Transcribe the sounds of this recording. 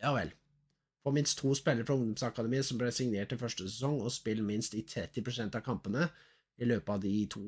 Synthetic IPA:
jɑːʋɛ̰l | fɔmɪnst̪ʰːuːspɛlːəɾəfɾɑʊŋd̪ɔmsɑkɑd̪əmiːəsɔmblɛsɪŋneːʈːɪlfœʂʈəsɛsɔŋːɔspɪlːmɪnst̪ɪt̪ʰɾɛt̪ːɪpɾʊsɛnt̪ɑʋkʰɑmpənə | ɪløːpəɑʋd̪ɪt̪ʰuː

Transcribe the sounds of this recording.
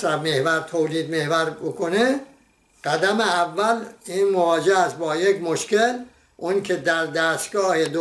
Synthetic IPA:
ɾæbmehvæɾt̪ʰoːliːd̪mehvæɾbokʰone | ɢ̥æd̪æmeævːæliːnmovɒːd͡ʒeæst̪̚bɒːjekmoʃkel | ʔunkʰed̪æɾd̪æːst̪ɡɒːhed̪o

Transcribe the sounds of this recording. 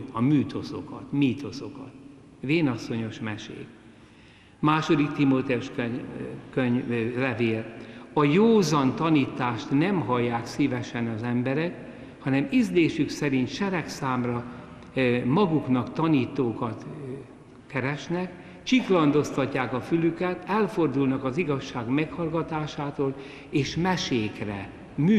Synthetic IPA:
ɒmyːt̪o̞so̞̰kɒt̪miːt̪o̞so̞kɒ̰t̪ | veːnɒsːo̞ɲo̞ʃmɛʃḛːk | maːʃo̞d̪ikt̪imoːt̪ɛuʃkøkøɲlɛveːlɒjoːzɒnt̪ɒniːt̪aːʃt̪nɛmɦɒjːaːksiːvɛʃɛnɒzɛmbɛɾɛk | hɒnɛmizd̪eːʃyksɛɾint̪ʃɛɾɛksaːmrɒ | mɒɡuknɒkt̪ɒniːt̪oːkɒt̪ | kɛɾɛʃnɛk | t͡ʃiklɒnd̪o̞st̪ɒcːaːkɒfylykɛt̪ɛlfo̞rd̪ulnɒkɒziɡɒʃːaːɡmɛkhɒlɡɒt̪aːʃaːt̪oːl | eːʃmɛʃeːkrɛ | myː

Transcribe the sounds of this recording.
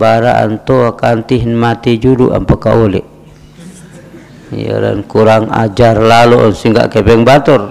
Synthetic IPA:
baɾaʔa̰nt̪oakant̪iɦnmat̪id͡ʒuduʔa̰mpakaʔolɛ̰ʔ | ja̰la̰nkuɾaŋa̰d͡ʒarlalunsiŋɡa̰ʔkɛbɛŋbat̪ɔr

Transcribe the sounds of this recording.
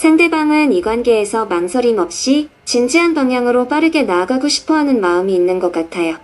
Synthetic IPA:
sʰaŋde̞baŋɯniɡwanɡe̞ːsʰʌmansʰʌɾimʌp̚ɕ͈i | t͡ɕind͡ʑiɦanbaŋjaŋɯɾop͈aɾɯɡe̞naːɡaɡoɕʰi̥pʰʌɦanɯnmaɯmiːnːɯnɡʌk͈atʰajo

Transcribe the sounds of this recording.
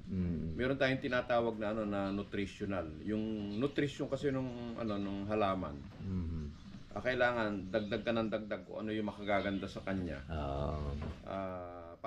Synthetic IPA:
mɛːɾo̞nt̪aːjʊŋt̪ɪnaːt̪aːwɐɡ̚nɐʔɐno̞nɐnʊt̪ɾɪʃjonaljʊŋnʊt̪ɾɪʃoŋkɐsɛnʊŋʔɐ̰no̞nʊŋɦɐlaːmɐ̰n | ʔɐ̰kɐʔɪlaːŋɐnd̪ɐɡ̚d̪aɡ̚kɐnɐŋd̪ɐɡ̚d̪aɡ̚ko̰ʔɐ̰no̞jʊŋmɐkɐɡaːɡɐnd̪asɐkɐɲɲa̰ | ʔa

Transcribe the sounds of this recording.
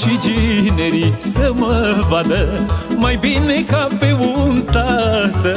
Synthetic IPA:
t͡ʃid͡ʒineɾisəməʋɐd̪əmɐjbinekapeʋunt̪at̪

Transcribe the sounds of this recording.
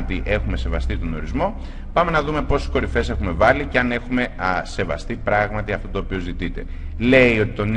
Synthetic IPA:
t̪iʔe̞xume̞se̞vɐst̪it̪o̞no̞ɾizmo̞ | pɐme̞nɐðume̞po̞si̥sko̞ɾife̞se̞xume̞vɐliceɐne̞xume̞se̞vɐ̰st̪ipɾɐɣmɐt̪iɐft̪o̞t̪oːpio̞zit̪it̪e̞̰ | le̞io̞t̪i̥t̪o̞n

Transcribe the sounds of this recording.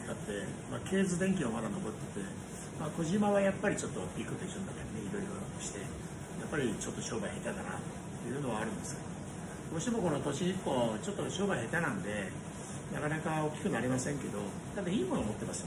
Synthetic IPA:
kat̪ːe̞maːkʰe̞ːzɨd̪ẽ̞ŋkʲiomad̪ano̞bo̞t̪ːe̥t̪e | maːko̞ʑimaβajapːaɾʲit͡ɕo̞t̪ːo̞pʲikɯt̪eʑɨ̃nd̪akeɾaneiɾo̞iɾo̞toɕi̥t̪e̞ | japːaɾʲit͡ɕo̞t̪ːo̞ɕo̞ːbaihe̞t̪ak̪ana̰ː | e̞̰jɯ̟ːno̞βaːɾɯ̟̃nd̪esɨ̥ | dmo̞ɕimo̞ko̞no̞t̪o̞ɕiɲikot͡ɕo̞t̪ːoɕo̞ːbaihe̞t̪anãnd̪e̞ | na̰kanakao̞kʲi̥kɯ̟naɾʲimasẽŋke̞d̪o̞ | t̪ad̪aiːmo̞nomo̞t̪ːe̞masɨ̥

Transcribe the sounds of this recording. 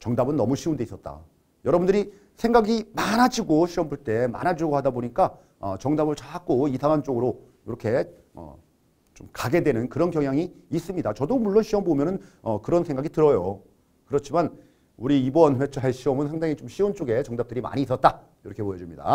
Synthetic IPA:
t͡ɕʌŋdabɯnːʌmuɕʰiunde̞is͈ʌt̚t͈a̰ | jʌɾʌbundɯɾi | sʰeŋɡaɡimanɦad͡ʑiɡoɕʰiʌmbuɭt͈e̞ma̰nad͡ʑuɡohadaboɲik͈a | ʌ̰t͡ɕʌŋdabɯɭt͡ɕaak͈oisʰaŋɦant͡ɕ͈oɡɯɾo | iɾʌkʰe̞ | ʌ̰ | t͡ɕomkaɡe̞dwe̞nɯnkɯɾʌnkjʌŋɦjaŋiːs͈ɯmɲidat͡ɕʌdomuɭːonɕʰiʌmbomjʌnɯnʌkɯɾʌnsʰe̞ŋɡaɡitɯɾʌjo | kɯɾʌt͡ɕʰiman | uɾiibʌnɸwet͡ɕʰaɦe̞ɕʰiʌmɯnsʰaŋdaŋit͡ɕomɕʰiunt͡ɕ͈oɡe̞t͡ɕʌŋdap̚t͈ɯɾima̰ɲiːs͈ʌt̚t͈a | iɾʌkʰe̞pojʌd͡ʑumɲida̰

